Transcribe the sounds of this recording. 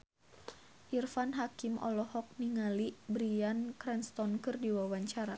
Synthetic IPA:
ʔirfanɦakimʔɔ̰lɔhɔk̚niŋalibɾiankɾanst̪ɔnkɨrdiwawaɲt͡ʃaɾa

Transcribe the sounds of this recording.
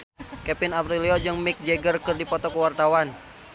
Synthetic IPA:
kɛpinapɾiliɔd͡ʒɨŋmik̚d͡ʒɛɡərkɨrdipɔt̪ɔkəwart̪awan

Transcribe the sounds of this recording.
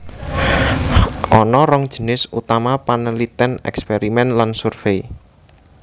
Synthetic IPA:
ʔɔnɔɾɔŋd̥ʒ̥ə̤nɪsut̪amapanəlit̪ɛnɛ̰kspeɾimɛnlansurfei

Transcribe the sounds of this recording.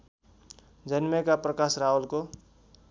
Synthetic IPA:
d͡zʌnmʌkaprʌkasraolko

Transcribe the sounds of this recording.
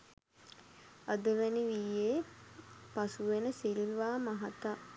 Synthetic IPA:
ad̪əʋæniʋiːe | pasuʋenəsilʋaːmaɦat̪a

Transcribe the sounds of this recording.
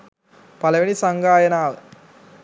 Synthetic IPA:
pɐlɐʋinisɐŋɡaːjɐnaːʋɨ

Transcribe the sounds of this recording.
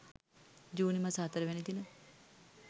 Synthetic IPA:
d͡ʒuːnimasat̪əɾəʋɛnid̪inə

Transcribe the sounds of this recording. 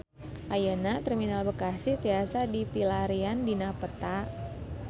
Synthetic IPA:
ʔajənat̪ərminalbəkasɪht̪iasadipilaɾiandinapət̪a

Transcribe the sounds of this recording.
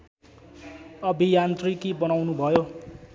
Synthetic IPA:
ʌbʱijant̪rikibʌnawnubʱʌjo

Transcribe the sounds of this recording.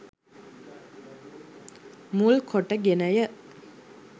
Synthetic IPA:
mulkʰoʈːəɡenɐjə

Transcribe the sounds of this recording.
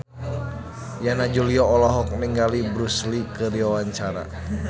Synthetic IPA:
janad͡ʒuliɔɔlɔɦɔk̚niŋɡalibɾuslikəɾiwawaɲt͡ʃaɾa̰

